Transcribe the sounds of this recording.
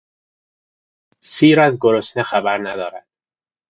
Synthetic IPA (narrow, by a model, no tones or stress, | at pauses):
siːɾæzɡoɾosnexæbæɾnæd̪ɒːɾæd̪̥